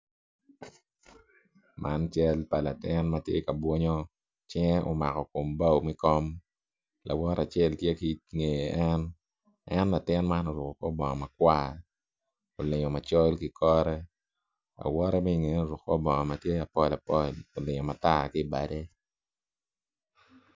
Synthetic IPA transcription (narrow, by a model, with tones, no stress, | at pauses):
mʔa˦nt͡ʃɛ˦lpa˨la˨tɪ˦nma˦tje˦ka˨bwɔ˦ɲɔ˦ | t͡ʃɛ˦ŋɛ˦ʔo̰˨ma˨kɔ˨ko˨mba˦˨wmi˦kɔ˦m | la̰˨wɔ˦ɾa˨t͡ʃɛ˦˨ltje˦ki˦ŋe˨jʔɛ˦n | ɛ˦nla˨tɪ˦nma˦nɔ˨ɾʊ˨kɔ˨kɔ˦bɔ˨ŋɔ˨ma˨kwa˦˨ | o˨lɪ˨ɲɔ˨ma˨t͡ʃɔ˦lki˦kʰɔ˦ɾɛ˦ | a̰˨wɔ˦ɾɛ˦mɛ˦i˨ŋe˨˦o˨ɾʊ˨kːɔ˦bɔ˨ŋɔ˨ma˨tje˦a˨pɔ˦la˨pɔ˦˨lo˨lɪ˨ɲɔ˨ma˨ta˦˨kɪ˦˨ba˨de˦